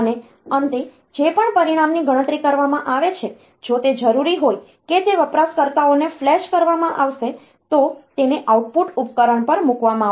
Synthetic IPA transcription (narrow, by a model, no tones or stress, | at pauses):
ne | ənt̪e | d͡ʒepəɳpəɾiɽ̃amniɡəɽ̃ə̃t̪ɾikəɾʋamãʔaʋet͡ʃʰe | d͡ʒot̪ed͡ʒəɾuɾiɦoj | ket̪eʋəpɾaskəɾt̪aoneflɛʃkəɾʋamãʔaʋʃe | t̪ot̪eneʔawʈ̚puʈup̚kəɾəɳpəɾmukʋamãa